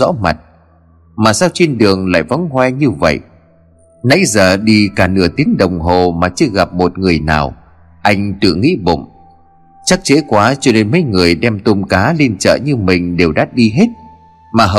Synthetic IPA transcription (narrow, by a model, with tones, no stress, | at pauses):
ɔ̰˧˥ma˨˩t̚ | maː˨˩saː˧wt͡ɕe˧nɗɨ˨˩əŋla̰ː˧˨jvɔ̰˨˦ŋ͡mɦwɛ˧ɲɨ˧və̰˧˨jʔ | na̰˧˥jzəː˨˩ɗi˧kaː˧˩nɨ̰˧˩ət̪i˨˦əŋɗə˨˩wŋ͡mɦo˨˩maː˨˩t͡ɕɨ˧ɣa˨˩p̚mo˨˩t̚ŋɨ˨˩əjna̰ː˨˩w | ʔa˧jŋ̟t̪ɨ̰˧˨ŋḭ˧˥ɓo̰˧˨m | t͡ɕa˦˥k̚t͡ɕe˨˦kwaː˨˦t͡ɕɔ˧ne˧nmə˨˦jŋɨ˨˩əjɗɛ˧mt̪o˧mkaː˨˦li˧ənt͡ɕə̰ː˧˨ɲɨ˧mï˨˩ŋ̟ɗe˨˩wɗaː˦˥t̚ɗi˧ɦe˦˥t̚ | maː˨˩ɦə˨